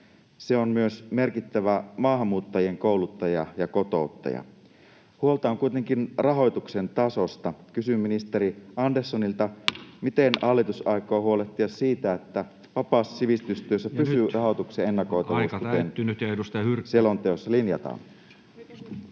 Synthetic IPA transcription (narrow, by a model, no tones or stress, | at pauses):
se̞onmyøsme̞rkit̪ːæʋæmɑːɦɑmːuːt̪ːɑjie̞ŋkowlut̪ːɑjɑ̰jɑko̞t̪o̞ut̪ːɑ̰jɑ̰ | huo̞lt̪ɑoŋkujt̪e̞ŋkinrɑɦo̞jt̪ukse̞nt̪ɑso̞st̪ɑkysymːinist̪e̞ɾiɑndersːonilt̪ɑmit̪e̞nɑlːit̪usɑjkˑoːhuo̞le̞ht̪iɑsiːt̪æet̪ːæ | ʋɑpɑːssiʋist̪yst̪yøsːæpysyrʔɑɦo̞t̪uksee̞nːɑko̞jt̪ɑʋuːskut̪enst̪selont̪eosːɑlinjɑ̰t̪ɑ̰n